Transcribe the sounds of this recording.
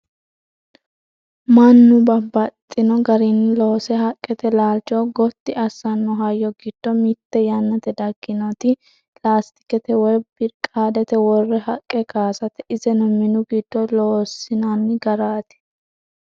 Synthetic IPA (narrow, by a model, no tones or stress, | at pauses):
mɐnːʊbɐbɐt̪ʼːɪnɔɡɐɾɪnːɪloːsɛhɐkʼːɛt̪ɛlaːlt͡ʃːɔɡɔt̪ːɪɐsːɐnːɔɦɐjːɔɡɪd̪̥ːɔmɪt̪ːɛjanːɐt̪ɛd̪ɐɡːɪnɔt̪ɪ | plaːst̪ɪ̥kɛt̪ɛwɔjbɪɾkʼaːd̪ɛt̪ɛwɔrːɛhɐkʼːɛkaːsɐt̪ɛɪzɛnɔmɪnʊɡid̪̥ːɔloːsɪnanːɪɡɐɾaːt̪ɪ̥